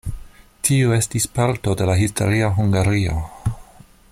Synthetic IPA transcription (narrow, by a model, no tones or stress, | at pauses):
tʰioe̞stispaɾto̞de̞laɦisto̞̰ɾiaɦuŋɡaɾio̰